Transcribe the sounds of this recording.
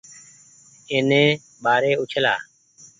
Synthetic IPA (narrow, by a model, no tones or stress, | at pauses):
ɪnẽː | ɓaːɾeːʊt͡ʃʰla̰ː